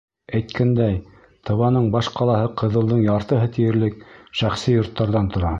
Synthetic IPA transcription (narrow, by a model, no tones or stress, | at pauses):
æjt̪kʰænd̪æj | t̪ʰɤ̆βɑnɤɴbɑʃqɑlˠɑhɤqʰɤ̆ðɤ̆lˠd̪ɤɴjɑɾt̪ɤ̆ɦɤt̪ijɘ̆ɾlɘkʃæχsijŏɾt̪ːɑɾðɑnt̪ŏɾɑ